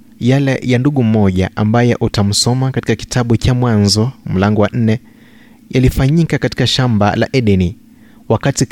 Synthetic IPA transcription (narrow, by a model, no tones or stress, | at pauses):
jalɛ̰janduɠum̩mɔʄa̰ʔambajɛʔutam̩sɔmakati̥kaki̥tʰaɓut͡ʃamwanzɔm̩laŋɡɔwan̩nɛ | jalifaɲikakati̥kaʃamba̰la̰ʔɛɗɛni | wakati